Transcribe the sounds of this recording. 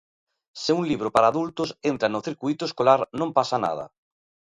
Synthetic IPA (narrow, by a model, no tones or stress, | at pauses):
seuŋliβ̞ɾopaɾaːðult̪osent̪ɾanoθiɾkujt̪oeskolaɾnõmpasana̰ð̞a̰